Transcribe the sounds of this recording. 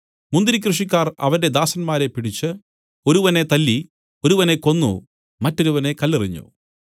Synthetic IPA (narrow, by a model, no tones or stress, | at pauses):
mund̪iɾik̬ʲrɨʂik̬ʲːaːrɐ̰ʋɐɾde̞d̪aːsɐnmaːɾe̞pːiɽit͡ɕːɨ | o̞ɾuʋɐne̞t̪ɐlːi | o̞ɾuʋɐne̞ko̞nːṵ | mɐtːo̞ɾuʋɐne̞kɐlːiriɲːṵ